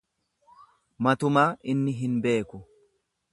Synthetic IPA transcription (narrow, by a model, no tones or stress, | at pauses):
mɐt̪ʊmaːʔɪnːɪɦɪnbe̞ːkʊ